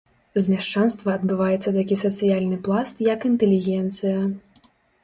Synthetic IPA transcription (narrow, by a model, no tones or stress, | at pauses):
zʲmʲaʂt͡ʂanst̪vɐːd̪bɨvajɛt̪sːɐt̪akʲisɐt̪sɨjalʲnɨplˠast̪jɐkint̪ɛlʲiɣʲɛnt̪sɨjɐ